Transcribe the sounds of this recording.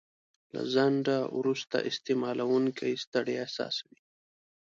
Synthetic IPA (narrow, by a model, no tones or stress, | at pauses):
la̰zaɳɖawɾust̪a̰ʔɪst̪emɑlawuŋkaist̪aɽeasɑ̰ːswi